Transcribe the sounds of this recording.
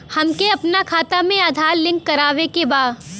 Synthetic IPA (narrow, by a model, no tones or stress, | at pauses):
hɐmkeɐpnakʰaːt̪amẽad̪ʱaːɾlɪ̃ŋkːɐɾaːʋekebaːd̪